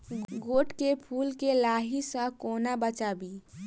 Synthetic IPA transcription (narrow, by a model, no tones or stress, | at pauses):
ɡɡoːʈkepʰuːlkelaːɦisə̃koːnabət͡ʃaːbi